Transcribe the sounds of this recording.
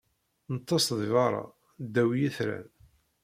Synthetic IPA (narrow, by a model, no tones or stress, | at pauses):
nət̪ːɑsðvɑɾˤɑ̰ | d̪ːæwjæθɾæ̰n